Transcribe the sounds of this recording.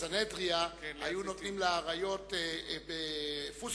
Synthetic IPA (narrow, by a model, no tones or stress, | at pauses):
anedʁiaajunot̪nimleaʁajo̞t̪ebefuz